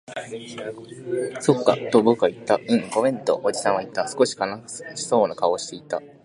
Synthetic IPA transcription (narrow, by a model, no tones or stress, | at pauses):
so̞kːa̰t̪obokːait̪ːaɯ̟̃ɴɡo̞mẽ̞nt̪o̰ʔod͡ʑisãɰ̃βait̪ːasɨ̥ko̞ɕi̥kanaɕi̥so̞ːnakao̞ɕi̥t̪e̞it̪ːa